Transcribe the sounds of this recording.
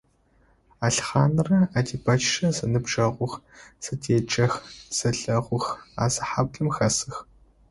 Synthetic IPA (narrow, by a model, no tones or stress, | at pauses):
aːɬχaːnɨrɐaːdiːbɐt͡ʃʼʃɐzɐnɨbʒɐʁʷʊxz̥ɨtʰeːt͡ʃʼɐxz̥ɐɬɐʁʷʊxa̰ːzɐħab̚ɮʼɨmxɐsɨx